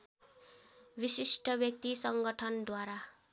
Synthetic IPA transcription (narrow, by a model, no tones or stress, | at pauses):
bisisʈʰʌbjʌk̚t̪isʌŋɡʌʈʰʌnd̪waɾa